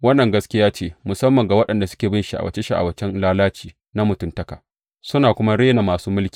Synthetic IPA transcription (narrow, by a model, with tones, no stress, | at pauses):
wɐ˦nːɐ˨ŋɡɐ˦skʲɪ˦jaː˦t͡ʃeː˦mʊ˨sɐ˦mːɐ˨ŋɡa˨wɐ˦ɗɐ˨nda˨sʊ˦kʲeː˨bɪ˦nʃi˨ʔa̰˨wɐ˦t͡ʃe˦ʃi˦ʔa̰˨wɐ˦t͡ʃɛ˦nlaː˦laː˦t͡ʃiː˨ | na˦mʊ˨tʊ˦ntɐ˦kaː˨ | sʊ˦naː˨kʷʊ˦ma˦ɽeː˦na˨maː˨suː˦mʊ˦lkʲi̥ː˨